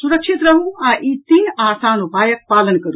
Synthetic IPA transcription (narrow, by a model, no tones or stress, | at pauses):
suɾɐkʃʰit̪ɾɐɦũãːʔiːt̪iːnaːsaːnupaːjək̚paːlənkɐɾu